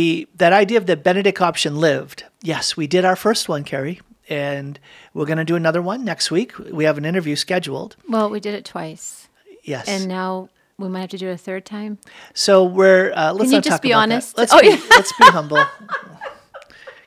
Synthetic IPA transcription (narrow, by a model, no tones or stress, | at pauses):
ðɨɾaɪdiɨʌvðɨt̚b̥ɛnɨɾɨkʰɑpʃɨ̃nlɪvd̥ | jɛswidɨɾaʊə˞fɜ˞st̚wʌ̃nkʰɛɹi | ɨ̃n | wɪɹɡʌnɨdɨɨnʌðə˞wʌ̃nːɛkst̚wikʰwiɨvn̩ɪ̃ɾ̃ə˞vjʉskɛd͡ʒul̩ˠd̥wɛlˠwidɨɾɨtʰw̥aɪs | jɛsɨ̃nːaʊ | wimaɪt̚hæftɨdɨɨɾɨθɜ˞d̚tʰãɪ̃m | soʊwɪɹʌləj̃nʌtɔkəmiɑnɨstlətojətsb̥iɦʌ̃mbl̩ˠ